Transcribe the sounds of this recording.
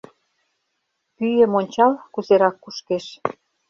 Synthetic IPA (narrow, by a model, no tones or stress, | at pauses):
pyjə̆monʲt͡ɕɑlkuzeɾɑkːuʃkeʃ